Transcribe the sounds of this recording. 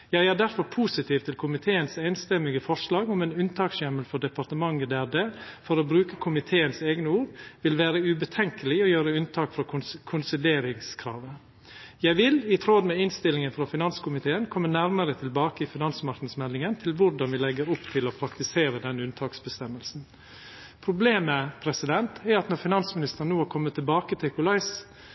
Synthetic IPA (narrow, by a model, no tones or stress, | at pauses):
jæɪæːd̪æɾfɔɾpʰuːsɪt̪iːʋt̪ʰɪlkʰʊmɪt̪ʰeːənsæɪnst̪ɛmːɪɡəfɔʂlɑːɡɔmɛnʉnt̪ʰɑːksjɛməlfɔɖɛpɑɾt̪əmɑŋːəd̪æɖeːfɔɾɔːbɾʉːkəkʰʊmɪt̪ʰeːənseːɡnəuːɾʋɪlʋæːɾəʉbət̪ʰɛŋkəlɪɔjøːɾəʉnt̪ʰɑːkfɾɑkʰʊkʰʊnsɪleːɾɪŋskʰɾɑ̰ːʋə | jæɪʋɪlɪt̪ʰɾod̪mɛɪnst̪ɪlɪŋənfɾɑfɪnɑnskʰʊmɪt̪ʰeːənkʰɔmːənæɾməɾət̪ʰɪlbɑːkəɪfɪnɑnsmɑɾknəsmɛlɪŋənt̪ʰɪlʋʊɾɖɑnʋɪlɛɡəɾʊpːt̪ʰɪlɔpʰɾɑkt̪ɪseːɾəd̪ɛnːʉnt̪ʰɑːksbəst̪ɛmːəlsn̩ | pʰɾʊbleːməpʰɾɛsɪd̪ɛnt̪ʰɛɾɑt̪nɔɾfɪnɑnsmɪnɪst̪əɾnuːækʰɔmːət̪ʰːɪbɑːkət̪ʰɪkʰʊlɑɪs